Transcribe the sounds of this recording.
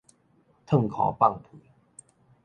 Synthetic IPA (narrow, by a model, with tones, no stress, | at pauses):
t̪ʰə˥˧˨ŋkʰɔ̰˨˩pa˥˨ŋpʰi˨˦